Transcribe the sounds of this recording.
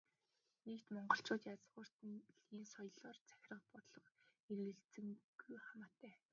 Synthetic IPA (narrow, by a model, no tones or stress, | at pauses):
nekt̪mɔɴɢɞ̆ɬt͡ɕʊːt̪jat͡sʁʊːr̥t̪nɮiːnsɔjɮɔːrt͡sæ̥xʲɪ̆rə̆qpɔt̪ɮɞ̆χeɾɘ̆ɬt͡sɘ̆ŋɡ̥ujχamaːt̪ʰːæː